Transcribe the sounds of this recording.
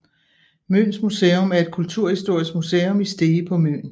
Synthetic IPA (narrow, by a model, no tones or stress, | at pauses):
mønsmuseːomæɐe̝d̥̚kʰult͡sʰuɐ̰hisd̥o̝ɐ̰isɡ̥museːomisd̥e̝ːpʰɒ̽mø̰n